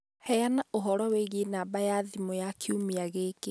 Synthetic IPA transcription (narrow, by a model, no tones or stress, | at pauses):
hɛjanaʔoɦɔɾɔweɣenaːbajaðimojakʰiumiaɣeːke